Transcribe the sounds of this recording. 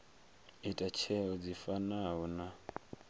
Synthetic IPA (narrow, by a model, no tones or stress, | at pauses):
itʼat͡ʃʰɛɔd͡zifanaɔna